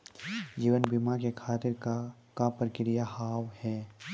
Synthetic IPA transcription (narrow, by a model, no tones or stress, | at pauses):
d͡ʒiːʋənbɪmakekʰaːt̪ɪɾ | kapəɾkɪɾɪjahaːwhɛː